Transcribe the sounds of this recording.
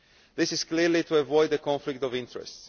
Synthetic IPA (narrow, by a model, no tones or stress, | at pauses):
ðɪsɪz̥kliɾlituəvɔɪd̪əkɔ̃ɱflɪk̚tɔvɪ̃ntɹɛ̰sts